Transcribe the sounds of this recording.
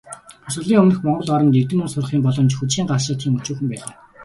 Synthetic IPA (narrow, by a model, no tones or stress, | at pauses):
χʊs̆ɮiːŋɵmnɘ̆xmɔɴɢɞ̆ɮɔɾɞ̆mt̪ert̪ɘ̆mʊnsʊrχiːmpɔɮɞ̆mt͡ɕxut͡ɕxiːŋɢaʃaːt̪xiːŋut͡ɕuːxɘ̆mpæːɮa̰ː